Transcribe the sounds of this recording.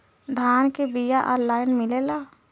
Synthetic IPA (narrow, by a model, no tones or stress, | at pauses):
d̪ʱaːnkebijaʔɔːnlaːɪnmɪlelaː